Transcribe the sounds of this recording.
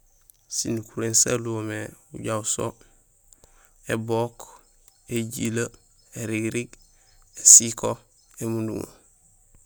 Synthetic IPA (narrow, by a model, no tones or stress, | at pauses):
sḭnikuɾensalumeṵɟawuso̰ | ebok | eɟila | eɾiɡɾiɡ | esikʰo | emundṵŋo̰